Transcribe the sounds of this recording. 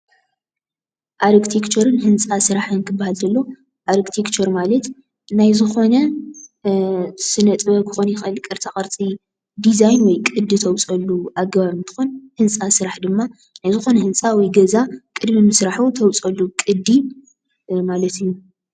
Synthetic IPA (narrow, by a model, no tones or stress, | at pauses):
ʔaɾkt̪ʰekt͡ʃʰoɾɨnhɨnt͡sʼasɨɾaħɨnkʰɨbːahald̪ɐlːo̞ | ʔaɾkt̪ʰekt͡ʃʰoɾmalɐt̪ | najzɨxo̞nɐ | sɨnɐt̪ʼbɐkʰɨxonjɪxʔɨlkʼɨɾt̪ʰaχʼɐɾt͡sʼi | d̪izajnwɔjkʼɨd̪ːit̪ʰɐwt͡sʼɐlːuʔaɡɐβaβɨnt̪ʰɨ̥xonhɨnt͡sʼasɨɾaħd̪ɨmːa | najzɨxo̞nɐhɨnt͡sʼawɔjɡɐzakʼɨd̪mimɨsɾaħut̪ʰɐwt͡sʼɐlːukʼɨd̪ːi | malɐt̪ijːu